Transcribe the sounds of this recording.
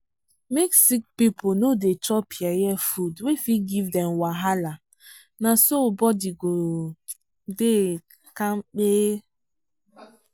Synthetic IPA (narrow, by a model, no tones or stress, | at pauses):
meksik̚piponodetɔpʰiajɛfudwefiɡivdɛmwaɦala | nasobɔdiɡo | de | kamk͡peː